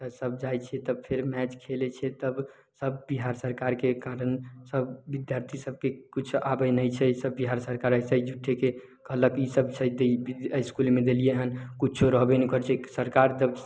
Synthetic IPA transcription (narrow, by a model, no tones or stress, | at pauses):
t̪əsəb̚d͡ʒajt͡ʃʰɛt̪əb̚pʰeɾmɛt͡ʃkʰelet͡ʃʰɛt̪əb | səbbiɦaɾsəɾkaɾkekaɾənsəbːid̪jaɾt̪ʰisəb̚kekit͡ʃʰabɛnəjt͡ʃʰɛsəbːiɦaɾsəɾkaɾəsəjd͡ʒuʈʰeke | kəɦləkisəbt͡ʃʰɛd̪ebiəjskulmed̪elijeɦənkut͡ʃʰoɾəɦbenikəɾt͡ʃʰɛsəɾkaɾd͡ʒəb